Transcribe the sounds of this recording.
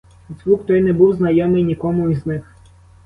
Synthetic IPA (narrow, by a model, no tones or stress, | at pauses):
zʲwuxt̪ɔjnɛbuwznɐjɔmɪjnʲikɔmʊiznɪx